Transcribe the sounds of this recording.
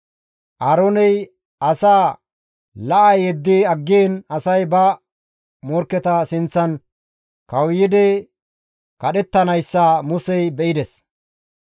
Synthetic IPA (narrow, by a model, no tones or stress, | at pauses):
ʔaːɾoːnɛj | ʔɐsaː | lɐʔɐjɛd̪ːiɐɡːeːnɐsɐjbɐ | mɔɾkːɛt̪ɐsɪnt͡sːɐn | kɐwjɪd̪ɛ | kɐɗɛt̪ːɐnɐjsːɐmʊsɛjbɛʔɪd̪ɛs